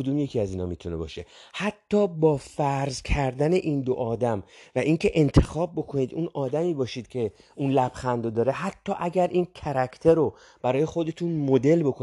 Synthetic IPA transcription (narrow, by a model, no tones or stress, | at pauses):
od̪uːmje̞cʰiːæziːnɒ̰ːmiːt̪ʰune̞̰bɒ̰ːʃe̞hæt̪ʰːɒːbɒːfæɾzcʰæɾd̪æne̞ʔiːnd̪o̰ʔɒːd̪æmvæʔiːŋcʰe̞ʔent̪ʰe̞xɒːb̚ːo̞kʰo̞niːd̪unɒːd̪æmiːbɒːʃiːd̪̥̚cʲʰe̞ | unlæb̥xænd̪od̪ɒːɾe̞ɦæt̪ʰːɒːʔæɟæɾʔiːncʰæɾækʰt̪ʰeɾo | b̥æɾɒːje̞xo̞d̪e̞t̪ʰunmo̞d̪e̞lbo̞kʰo